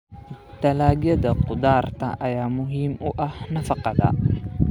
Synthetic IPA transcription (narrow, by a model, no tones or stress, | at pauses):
t̪ʰɐlaːɡjɐðɐqʊd̪aːrt̪ʰɐ̰ʔɐjaːmʊɦiːmʊʔɐhnɐfɑqɑðɐ̰